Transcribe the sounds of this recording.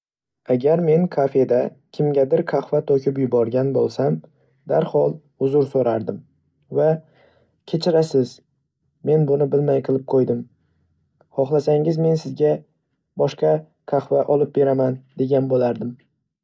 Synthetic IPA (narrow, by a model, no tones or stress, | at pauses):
aɡʲaɾme̞nkʰafe̞d̪a | kʲʰɪmɡʲad̪ɪɾkʰaχvat̪ʰokʰʲɪpjʊbɒɾɡʲanbolˠsam | d̪aɾhɒlˠ | ʊzʊɾsoɾaɾd̪ɪm | va | kʲʰe̞t͡ʃʰɪɾasɪz | me̞nbʊnɪbɪlmajqʰɨlˠɪp̚qʰojd̪ɪm | hɒχlˠasaŋɪzme̞nsɪzɡʲa | bɒʃqɑ | kʰaχvaʔɒlˠɪp̚be̞ɾamand̪e̞ɡʲanbolaɾd̪ɪm